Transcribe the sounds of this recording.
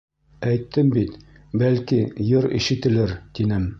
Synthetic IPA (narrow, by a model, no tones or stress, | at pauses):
æjt̪ːɘmbit̪ | bælkijoɾḭʃɘ̆t̪ɘ̆lɘɾt̪inɘm